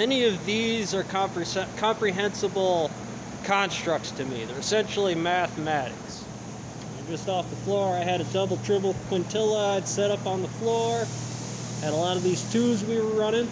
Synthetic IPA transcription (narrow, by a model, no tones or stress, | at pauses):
mɛniʌvðizə˞kʰɑ̃mpɹɨsɛkʰɑ̃mpɹiɦɛ̃nsəbl̩ˠ | kʰɑ̃nstɹ̥ʌk̚tstʰɨmḭðə˞ɨsɛ̃nʃl̩ˠimæθəmæɾɨ̰ks | aɪd͡ʒʌstɔfðəflɔɹaɪɨɾɨdʌbl̩ˠtʰɹ̥ɪbl̩ˠkʰw̥ɨ̃ntʰɪlˠəɪd̥sɛɾʌpn̩ðəflɔɹ | ɨɾəlɔɾʌvðiz̥tʰʉzwiwə˞ɹʌñɪ̃ŋ